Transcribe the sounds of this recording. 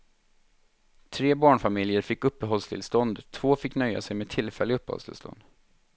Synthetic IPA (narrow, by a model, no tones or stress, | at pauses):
t̪ʰɾeːbɑːɳfamɪljəɾfɪkːɵpːəɦɔlst̪ʰɪ̰lst̪ɔnd̪t̪ʰv̥oːfɪkːnœjːa̰sɛjmeːd̪t̪ʰɪlfɛlːɪɵpːɛɔ̰lst̪ʰɪ̰lst̪ɔ̰nd̪̥